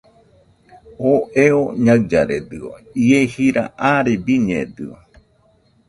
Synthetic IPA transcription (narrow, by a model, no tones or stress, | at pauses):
oʔeoɲaɰd͡ʒaɾḛd̪ɨo̰iehiɾa̰ʔaɾebiɲḛd̪ɨo